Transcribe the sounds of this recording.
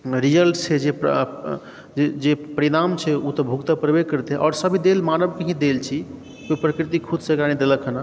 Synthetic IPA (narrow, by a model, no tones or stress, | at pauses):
ɾijəlʰed͡ʒep | d͡ʒed͡ʒepəɾiɽ̃amt͡ʃʰɛut̪ɔbʱukt̪apɾəbed͡ʒkəɾt̪eɦɛʔɔ̰ɾsəbʱid̪elmanəbkəɦĩd̪elt͡ʃʰi | koipɾəkɾit̪̬ikʰud̪ʱsəkɾanid̪eləkʰəna